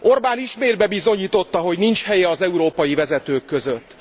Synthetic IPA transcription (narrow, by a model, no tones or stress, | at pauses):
ʔo̞rbaːniʃmeːd̪bɛbizoɲiːt̪o̞t̪ːɒɦo̞ɟnint͡ʃhɛjɛɒzɛuɾoːpɒjivɛzɛt̪øːkːø̞zøt̪ː